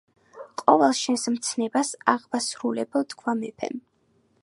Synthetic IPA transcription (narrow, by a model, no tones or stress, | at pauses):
qʼɔvɛlˠʃɛnsmt̪sʰnɛbasaʁbasɾulɛbɔt̪kʰwamɛpʰɛ̰n